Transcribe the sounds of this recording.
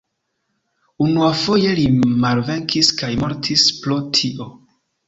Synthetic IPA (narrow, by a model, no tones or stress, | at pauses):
unuafo̞je̞limalve̞ŋkiskajmo̞ɾtʰisplotʰiʔo̞